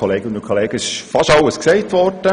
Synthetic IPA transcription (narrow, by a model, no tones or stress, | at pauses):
ɔleːɡəʊndʊnkʰːolɛːɡ̥əɪʃfɑʃɑləsksɛɪtʋɔrd̥ə